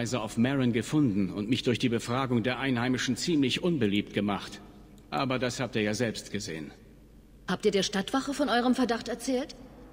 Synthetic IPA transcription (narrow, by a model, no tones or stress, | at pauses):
ɪzəaʊfmɛʁənɡəfʊndn̩ʊ̰ntmɪçd̥ʊɐçd̥iːbəfʁ̥aːɡʊŋdeːɐʔaɪnhaɪmɪʃn̩t͡siːmlɪçʔʊnbəliːp̚tɡ̥əmaχt | ʔa̰ːbɐdashaːptiːɐjaːzɛlpstɡ̥əzḛːən | haːp̚tiːɐdeːɐʃtatv̥aχəfɔnʔɔʏʁ̞əmfɛɐdaχtɛɐt͡sɛːlt